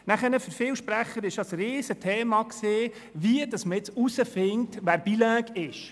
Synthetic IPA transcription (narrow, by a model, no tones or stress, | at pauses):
næχənəfəɾfɪːwʃpɾæχəɾɪʃɑsɾiːsətʰeːmɑkseː | ʋiəd̥ɑsməɪt͡susəfɪŋtʋæːɾb̥ilæːɡ̥ɪʃ